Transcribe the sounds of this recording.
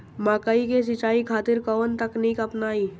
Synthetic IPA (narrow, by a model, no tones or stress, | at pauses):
mãːkaikes̬it͡ʃaːikʰaːt̪ɪɾkəʋənt̪ɐknikɐpnaːiː